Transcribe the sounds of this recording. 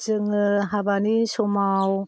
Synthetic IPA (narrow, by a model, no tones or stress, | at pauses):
d͡ʒɯŋɯɦabanisɔmaw